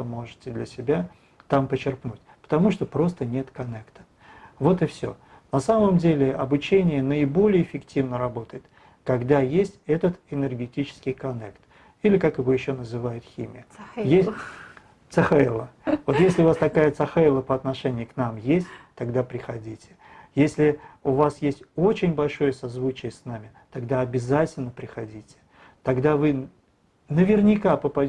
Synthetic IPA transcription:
t̪əmo̞ʐɨtʲɪd̪lʲəsʲɪbʲa | t̪ampət͡ɕːɪrpnutʲpə̥t̪ɐmuʂt̪o̞pɾo̞st̪ənʲe̞t̪kɐnɛkt̪ə̥ | vo̞t̪ɨfsʲo̰ | nɐsaməmdʲelʲɪɐbʊt͡ɕenʲɪjənəɪbo̞lʲɪjəɪfʲɪktʲivnəɾɐbo̞t̪əjɪt̪ | kɐɡd̪ajesʲtʲɛt̪ət̪ɪnʲɪrɡʲɪtʲit͡ɕɪ̥skʲɪjkɐnɛkt̪ | ilʲɪkakɪvo̞jɪɕːonəzɨvajʊt̪xʲḭmʲɪ̰jəjes | t̪sɐxalˠəvo̞t̪jesʲlʲɪʊvast̪ɐkajət̪sɐxaɪlˠəpəɐt̪nɐʂɛnʲɪjʊknamjesʲtʲt̪ɐɡd̪apɾʲɪxɐdʲitʲɪ̥ | jesʲlʲɪʊvasjesʲtʲo̞t͡ɕɪnʲbɐlʲʂo̞jəsɐzvut͡ɕɪjəsnamʲɪt̪ɐɡd̪aɐbʲɪzatʲɪlʲnəpɾʲɪxɐdʲitʲɪ̥ | t̪ɐɡd̪avɨ | nəvʲɪrnʲɪkapəpɐ

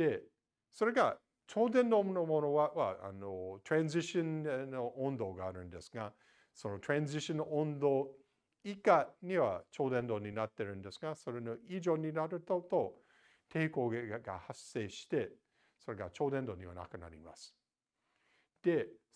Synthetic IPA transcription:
d̪̥e̞ | so̞ɾe̞ɡa | t͡ɕo̞ːd̪ẽnd̪o̞mnomo̞no̞aβaʔa̰not̪ɾãnziɕõnnoʔõnd̪o̞ːɡaːɾɯ̟̃nd̪e̞sɨ̥ɡa | so̞no̞t̪ɾãnziɕõnːoʔõnd̪oː | ikaɲ̟iβat͡ɕo̞ːd̪ẽ̞nd̪o̞ːɲ̟inat̪ːeɾɯ̟̃nd̪e̞sɨɡaso̞ɾe̞no̞iʑo̞ɲ̟inaɾɯ̟t̪ot̪o̞ | t̪ʰe̞ːko̞ːɡɡa̰hasːe̞ːɕi̥t̪e̞ | so̞ɾe̞ɡat͡ʃo̞ːd̪ẽnd̪o̞ːɲ̟iβa̰na̰kɯ̟na̰ɾʲḭma̰sɨ̥ | d̪̥e̞

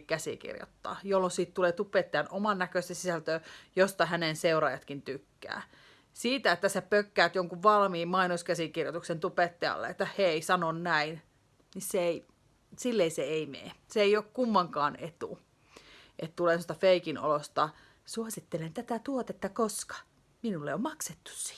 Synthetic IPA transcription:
kæsḭkḭrjo̰t̪ːɑ̰ːjolːonsiːt̪t̪uleːt̪upet̪ːeɑnʔomɑnːækøˑist̪esisælt̪øːjost̪ɑhænenseuɾɑːjɑt̪kint̪ykːæ̰ː | siːt̪æet̪ːæsepøkːæːt̪joŋkuʋʋɑlmiːmmɑinoskæsikirjot̪uksent̪upet̪ːeɑ̰lːḛet̪ːæheˑisɑnonnæin | nisseei | silːeiseeimḛːseeiokkumːɑŋkɑːnet̪ṵ | ʔet̪t̪uleˑnsost̪ɑfeikino̰lost̪ɑ | suɑsit̪ːelent̪æt̪æt̪uot̪et̪ːɑkoskɑ̥ | minulːḛommɑkset̪ːu̥ssi̥ː

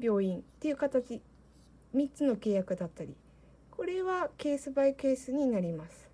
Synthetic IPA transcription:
bʲo̞ːĩnt̪ːe̞jiɯ̟kat̪at͡ɕi | mʲitt͡sɨno̞ke̞ːjakɯ̟d̪at̪ːaɾʲḭ | ko̞ɾe̞βake̞ːsɨbaike̞ːsɨɲ̟inaɾʲimasɨ̥

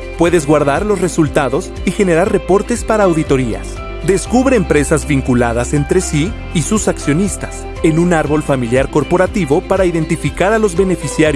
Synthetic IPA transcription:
pwe̞ðe̞zɣwaɾðaɾlo̞sre̞sult̪aðo̞s | ixe̞ne̞ɾaɾre̞po̞ɾt̪e̞spaɾaːwðit̪o̞ɾia̰s | d̪e̞skuβɾe̞ːmpɾe̞sazβiŋkulaðase̞nt̪ɾe̞siː | susaksjo̞nist̪ḁs | enunaɾβo̞lfamiljaɾko̞ɾpo̞ɾat̪iβo̞paɾaiðe̞nt̪ifikaɾalo̞zβe̞ne̞fisjaɾj

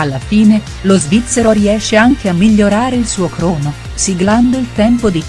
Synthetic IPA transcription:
alːafiːne | lozvit̪sːeɾoɾiɛʃːeaŋk̟eamːiʎːoɾaːɾeilsuːokɾoːno | siɡland̪oilt̪ɛmpod̪i

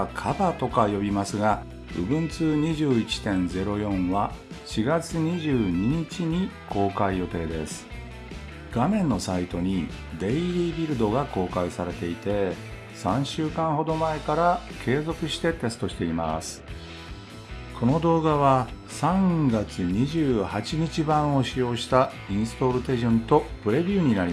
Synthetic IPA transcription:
kʰabat̪o̞kajo̞bʲimasɨɡa | ɯ̟bɯ̟̃nt͡sɨːɲ̟iʑɨːit͡ɕi̥t̪ẽ̞nd͡ze̞ɾo̞jõ̞ɰ̃βa | ɕiɡat͡sɨɲ̟iʑɨːɲ̟iɲ̟it͡ɕiɲ̟ikʰo̞ːkaijo̞t̪e̞ːd̪e̞̰sɨ̥ | ɡ̥amẽ̞nːo̞sait̪o̞ɲ̟i | d̪e̞iɾʲiːbʲiɾɯ̟d̪o̞ɡako̞ːkaisaɾe̞t̪e̞it̪e̞ | sãɰ̃ɕɨːkãɰ̃ho̞d̪o̞mae̞kaɾakʰe̞ːzo̞kɯ̟ɕi̥t̪e̞t̪e̞sɨ̥t̪o̞ɕi̥t̪e̞ima̰sɨ̥ | kʰo̞no̞d̪o̞ːɡaβa | sãŋɡat͡sɨɲ̟iʑɨːhat͡ɕiɲ̟it͡ɕibãɰ̃o̞ɕijo̞ːɕi̥t̪a | ĩɰ̃sɨ̥t̪o̞ɾɯ̟t̪e̞ʑõnt̪o̞pɯ̟ɾe̞bʲɯːɲ̟inaɾi

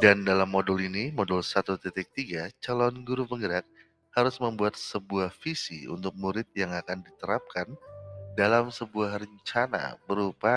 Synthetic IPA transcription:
dandalamːodulinimɔdulsat̪ut̪ət̪ɪk̚t̪iɡat͡ʃalɔnɡuɾupəŋəɾak̚ | haɾʊsməmbuat̪̚səbuahfisḭṵnt̪ʊk̚muɾɪt̪̚jaŋakandit̪əɾap̚kandalamsəbuahrəɲt͡ʃana̰bəɾupa

